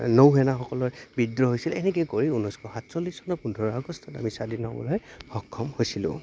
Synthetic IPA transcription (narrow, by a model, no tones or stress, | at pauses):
nowɦɛnaxɔkɔlɔɹbidɹɔɦojsilɛnɛk̬ɛkoɹiunɔskʰɔxatsɔlːisɔnɔpundʱɔɹɔaɡɔstʰɔta̰misadinɔ̰bɔ̰lɔjxɔkʰːɔmhojsilʊ̰̃